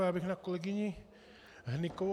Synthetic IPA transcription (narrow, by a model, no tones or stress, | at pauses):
aβihnakoleɡiɲĩ | hniko